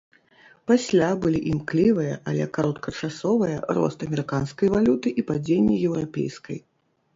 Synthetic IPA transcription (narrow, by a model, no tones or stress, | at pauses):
pasʲlʲabɨlʲiʔimklʲivɨjɐʔɐlʲɛ̰kaɾɔt̪̚kʰɐt͡ʂasɔvɐjɐrɔ̰st̪ɐmʲɛɾɨkanskɐjvalʲut̪ɨʔipad͡zʲenʲːɛjɛwɾapʲḛjskɐ̰j